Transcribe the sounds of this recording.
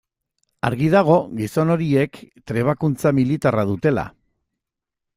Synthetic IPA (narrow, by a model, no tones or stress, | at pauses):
aɾɣið̞aɣ̞o̞ɣiso̞no̞ɾie̞kt̪ɾe̞β̞akunt͡samilit̪arað̞ut̪e̞la̰